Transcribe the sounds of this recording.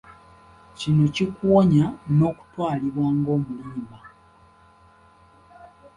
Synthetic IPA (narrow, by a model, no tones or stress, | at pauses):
cinocikuwoɲano̞ku̥twaːliβwaːŋɡo̞ːmuliːma